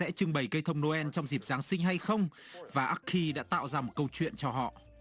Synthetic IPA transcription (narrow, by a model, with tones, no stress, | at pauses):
ɛ̰˧˥t͡ɕɨ˧ŋɓə˨˩jkə˧jt̪ʰə˧wŋ͡mno˧ʔɛ˧nt͡ɕɔ˧wŋ͡mzi˨˩p̚z̥aː˨˦ŋsï˧ŋ̟ɦa˧jxə˧wŋ͡m | vaː˨˩ʔaː˦˥k̚xi˧ɗa̰ː˧˥t̪a̰ː˧˨wzaː˧mo˨˩t̚kə˧wt͡ɕwḭ˧˨ənt͡ɕɔ˧ɦɔ̰˧˨ʔ